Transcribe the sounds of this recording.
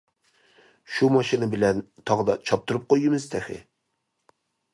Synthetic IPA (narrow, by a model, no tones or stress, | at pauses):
ʃumɑʃinɨbɪlɛnt̪ʰɑʁd̪ɑt͡ʃʰɑp̚t̪ʰuɾɨp̚qʰojimɨzt̪ʰɛxɪ̰